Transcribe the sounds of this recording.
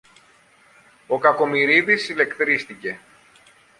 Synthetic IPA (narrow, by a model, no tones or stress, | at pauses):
o̞kɐko̞miɾiðisile̞kt̪ɾist̪ice̞